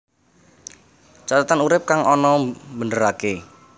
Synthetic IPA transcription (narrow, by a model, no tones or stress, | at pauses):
t͡ʃat̪at̪anuɾɪp̚kaŋɔnɔmbəndəɾake